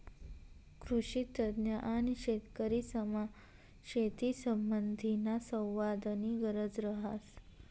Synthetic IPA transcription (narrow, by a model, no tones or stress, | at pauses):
kɾuɕit̪əd̪njəʔaniɕet̪kəɾisəma | ɕet̪isəmbənd̪ʱinasə̃w̃ʋad̪əniɡəɾəd͡zɾəɦas